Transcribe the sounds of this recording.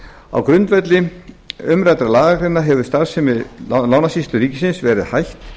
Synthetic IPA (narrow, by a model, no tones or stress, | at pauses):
a̰wkɾʏnt̪vɛt̪lɪ | ʏmɾajt̪ɾalaːɣakɾɪnːaɦɛvʏ̥st̪aɾ̥sɛmvɪðaːwnasist̪lʏɾiːcɪsɪnsvɛːɾɪðhajht̪